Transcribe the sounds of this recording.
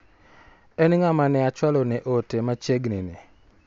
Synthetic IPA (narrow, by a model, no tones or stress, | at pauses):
ɛnŋamanɛat͡ʃwalɔnɛʔotemat͡ʃeɡnɪnɪ